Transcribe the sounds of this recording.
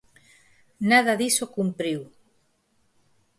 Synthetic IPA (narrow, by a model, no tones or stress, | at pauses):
naðaðisokumpɾiw